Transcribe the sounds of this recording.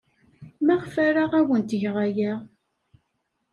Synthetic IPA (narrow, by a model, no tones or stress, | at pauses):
mæʁfæɾaʁæwənt̪ʝʁajæ